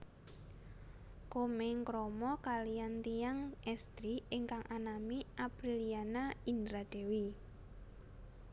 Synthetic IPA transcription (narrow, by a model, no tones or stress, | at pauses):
komeŋkɾɔmɔkalijant̪ijaŋɛst̪ɾieŋkaŋʔanamiʔapɾilianaindɾad̥e̤wi